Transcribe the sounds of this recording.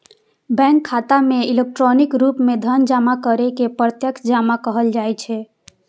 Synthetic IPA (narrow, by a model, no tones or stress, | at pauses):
bɛ̃ŋkʰːat̪ameilek̚ʈɾonikɾupmed̪ʱənd͡ʒamakəɾekepɾət̪jəkd͡ʒamakəɦəld͡ʒajt͡ʃʰɛ